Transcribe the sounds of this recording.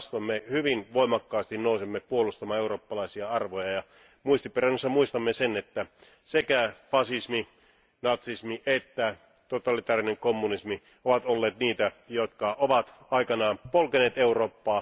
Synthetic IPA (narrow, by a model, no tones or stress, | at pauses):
st̪omːehyʋinʋoimɑkːɑːst̪innousemːepuolust̪ɑmɑːeuro̞ːpːɑlɑisiɑɑrʋojɑjɑ | muist̪ipːerænːusːɑmuist̪ɑmːesenet̪ːæ | sekæfɑsismi | nɑt̪sismiʔet̪ːæ | t̪ot̪ɑlit̪ɑːrineŋkomːunismi | oʋɑt̪olːeːt̪niːt̪æjot̪kɑʔoʋɑt̪ | ɑikɑnɑːnpolkeneːt̪euroːpːɑː